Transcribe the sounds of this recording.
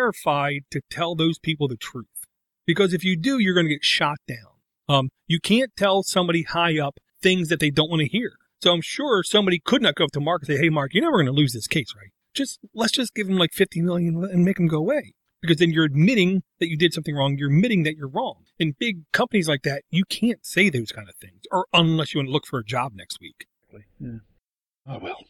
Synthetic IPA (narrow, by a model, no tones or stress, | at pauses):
ɹɨfaɪd̚tʰɨtʰɛlˠðoʊz̥pʰipl̩ˠðɨtʰɹ̥ʉθ | b̥ɨkʌzɨfjɨdɨjə˞ɡʌnɨɡɛtʃɑt̚d̥ãʊ̃n | ʌ̃mjɨkʰæ̃ntʰɛlˠsʌ̃mbɑɾihaɪʌp̚ | θɪ̃ŋzðɨt̪̚ðeɪdõʊ̃nʔwɑ̃ñɨhiɹ | soʊãɪ̃mʃʊɹsʌ̃mbɑɾikʰɨdⁿnɨt̚ɡ̥oʊfɾʰəmɑɹkɨseɪheɪmɑɹkjə˞noʊvə˞ɡʌnəlʉzðɪskʰeɪsɹaɪt̚d̥ʒ̥ʌst̚lətsd̥ʒ̥ʌsɡ̥ɪṽ̥m̩laɪkfɪftʰimɪlˠjɨ̃nɨ̃nmeɪkm̩ɡoʊəweɪ | b̥ɨkʌzðɨ̃njə˞ɨd̚mɪɾɪ̃ŋðɨt͡ʃɨdɨd̥sʌ̃mθɪ̃ŋɹɔ̃ŋjə˞ɨd̚mɪɾɪ̃ŋðɨt͡ʃə˞ɹɔ̃ŋ | ɨ̃nbɪɡ̚kʰʌ̃mpənizlaɪk̚ðæt̚jɨkʰæ̃ntseɪðoʊz̥kʰãɪ̃ndɨv̥θɪ̰̃ŋzə˞ə̃nlɛsjɨwʌ̃nəlʊkfə˞ɨd͡ʒɑ̰b̚nɛ̰kst̚wḭk̚ˡ | lijæ | awɛlˠ